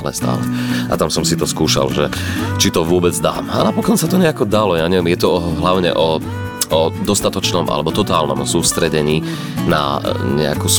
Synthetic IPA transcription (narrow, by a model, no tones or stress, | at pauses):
lɛ̰st̪a̰ːlɛʔa̰t̪amsɔmsit̪ɔskuːʃa̰lʒɛt͡ʃit̪ɔʋʊɔbɛd͡zd̪a̰ːma̰napɔkɔnsat̪ɔɲɛakɔd̪alɔjaːɲɛʋɛmjɛt̪ɔɦlaʊɲɛ̰ʔɔ | ɔd̪ɔst̪at̪ɔt͡ʃnɔmʔa̰lɛbɔt̪ɔt̪aːlnɔ̰msuːst̪ɾɛɟɛɲiː | na̰ɲɛa̰kus